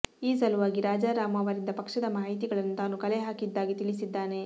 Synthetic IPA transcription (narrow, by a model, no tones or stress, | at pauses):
iːsɐluʋaːɡiɾaːd͡ʒaːɾaːmɐːʋɐɾind̪ɐpɐkʂɐd̪ɐmaːɦit̪̬iɡɐɭɐnːut̪aːnukɐleɦaːkid̪ːaːɡit̪iɭisid̪ːaːne̞